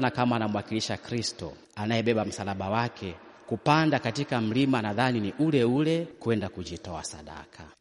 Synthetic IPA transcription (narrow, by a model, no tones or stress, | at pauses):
nakamaːnamuwakiliʃakɾistɔ̰ | anajɛɓɛɓam̩salaɓawakʰɛ | kupandakatikam̩limanaðaniniʔulɛulɛkwɛndakuʄitɔasa̰ɗa̰kʰa